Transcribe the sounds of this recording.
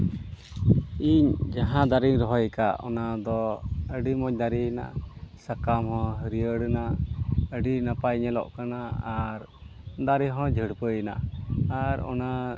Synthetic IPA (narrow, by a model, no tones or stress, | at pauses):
iɲd͡ʒaɦãd̪aɾiŋɾɔɦɔjkaʔɔ̰nad̪ɔəɖimɔɲd̪aɾina̰ʔsakamhɔ̃ɦəɾijəɽənaʔəɖinapajɲɛlɔ̰ʔkanaaɾ | d̪aɾiɦɔ̃d͡ʒʱəɽpəjna̰aɾɔ̰na